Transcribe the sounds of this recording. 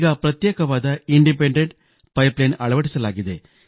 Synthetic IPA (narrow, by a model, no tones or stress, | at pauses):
ɣaːpɾɐt̪jeːkɐʋaːd̪ɐiɳɖip̬eɳɖeɳʈ | pɐjplɐjnɐɭɐʋɐʈːisɐlaːɣid̪ḛː